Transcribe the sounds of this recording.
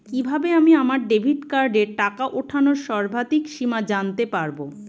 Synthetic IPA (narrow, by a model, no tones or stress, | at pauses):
kibʱabeamiamaɾɖebʱiʈkaɾɖeɾʈakaʔoʈʰanoɾʃɔɾbʱat̪ikʃimad͡ʑant̪epaɾbo